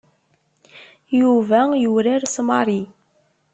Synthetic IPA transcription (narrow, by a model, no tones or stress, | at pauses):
juvæjuɾaɾsmɑɾˤi